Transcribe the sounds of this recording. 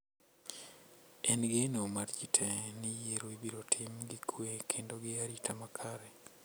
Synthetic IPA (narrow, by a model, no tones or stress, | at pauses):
enɡenomaɾd͡ʒitʰenijeɾoibiɾotʰimɡikʰwekʰeːndoɡeaɾitʰamakʰaɾe